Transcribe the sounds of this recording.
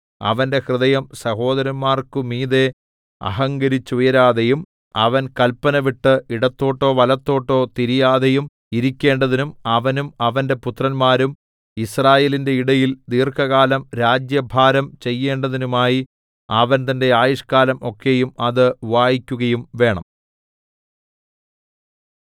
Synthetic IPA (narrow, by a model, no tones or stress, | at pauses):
ɐ̰ʋɐnde̞hrɨðɐjɐmsɐho̞ːðɐɾɐnmaːrkɨmiːðe̞ | ɐ̰ɦɐŋɡɐɾit͡ɕːujɐɾaːðejum | ɐʋɐnkɐlpɐnɐʋiʈːɨiɽɐt̪ːo̞ːʈːo̞ːʋɐlɐt̪ːo̞ːʈːo̞ːt̪iɾijaːðejum | iɾikʲːe̞ːɳɖɐðinumɐʋɐnumɐʋɐnde̞put̪rɐnmaːɾum | israːjelinde̞iɽɐjild̪iːrkʰɐɣaːlɐmɾaːd͡ʑjɐbʱaːɾɐmt͡ɕe̞jːe̞ːɳɖɐðinumaːji | ɐʋɐnt̪ɐnde̞aːjiʂkaːlɐmʔo̞kʰːe̞jumɐðɨʋaːjikʲːuɣɐjumʋe̞ːɳɐ̰m